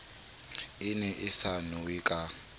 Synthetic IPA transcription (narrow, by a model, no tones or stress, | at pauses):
ɪnɛʔɪsanʊwikʼa